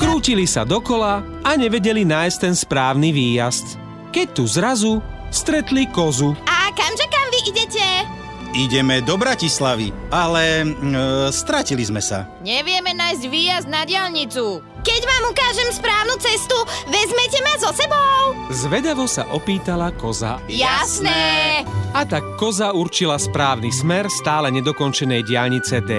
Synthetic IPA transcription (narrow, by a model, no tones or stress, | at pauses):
kɾuːcilisa̰d̪ɔkɔla | aɲɛʋɛɟɛlinaːjst̪ɛnspɾaːʊniʋiːjast̪ | kɛc̚t̪uzɾazust̪ɾɛt̪likɔzuakamʒɛkamʋiʔiɟɛcɛ | iɟɛmɛd̪ɔbɾacislaʋḭalɛ | st̪ɾacilizmɛsa̰ɲɛʋɪɛmɛnaːjzɟʋiːjazd̪naɟɪalɲit͡su | kɛɟʋaːmukaːʒɛmspɾaːʊnut͡sɛst̪uʋɛzmɛcɛmazɔsɛbɔʊzʋɛd̪aʋɔsa̰ʔɔpiːt̪alakɔza̰jasnɛ | at̪akːɔzauɾt͡ʃilaspɾaːʊnismɛɾst̪aːlɛɲɛd̪ɔkɔnt͡ʃɛnɛjɟɪalɲit͡sɛd̪ɛ